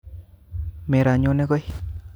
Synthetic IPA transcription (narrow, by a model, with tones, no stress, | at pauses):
me˨ɾa˨ɲo˦ne˦ɡo˦j